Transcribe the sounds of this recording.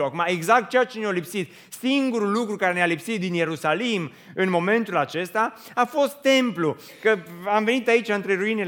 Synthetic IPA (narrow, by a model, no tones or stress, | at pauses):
akumaeɡzakt̪̚t͡ʃeat͡ʃenealipsit̪ | siŋɡuɾulːukɾukaɾenealipsit̪̚d̪inje̞ɾusalim | ɨnmo̞mẽ̞nt̪ulat͡ʃe̞st̪a | afo̞st̪ːe̞mplu | kəamve̞nit̪ait͡ʃaɨnt̪ɾeɾuine